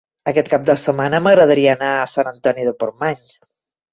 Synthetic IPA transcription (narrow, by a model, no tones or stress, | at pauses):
əkɛt̪̚kap̚d̪əsəmanəməɣɾəðəɾiəːnaəsanənt̪ɔniðəpoɾmaɲ